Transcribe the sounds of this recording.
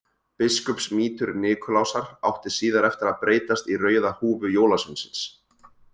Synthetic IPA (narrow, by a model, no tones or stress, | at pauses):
pɪskɔpsmiːt̪ʏɾnɪːkʰʏlawsaɾa̰wht̪ɪsiːðaɾɛft̪ɪɾaðpɾeːjt̪ast̪irœːɥðahuːvʏjoːwlasʏnsɪns